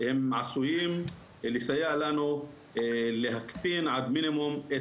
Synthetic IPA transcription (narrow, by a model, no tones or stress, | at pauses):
hɪmʕasujiːm | lisajaʕlanu | lɪɦakfiːnʕad̪mɪnɪmʊmʔe